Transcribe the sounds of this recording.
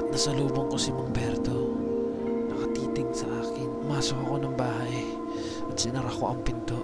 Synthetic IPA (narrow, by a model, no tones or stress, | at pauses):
t̪̚nɐsɐluːboŋkosɪmoŋbɛɾt̪o | nɐkɐt̪iːt̪ɪɡsɐʔaːkɪnʊmaːsohɐko̞nɐŋbaːɦɐj | ʔɐt̪̚sɪnɐɾɐkoʔɐŋpɪnt̪o